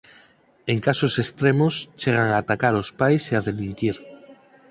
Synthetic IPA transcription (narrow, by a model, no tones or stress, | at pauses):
eŋkasosest̪ɾemost͡ʃeɣ̞aŋaːt̪akaɾospajseaðeliŋkiɾ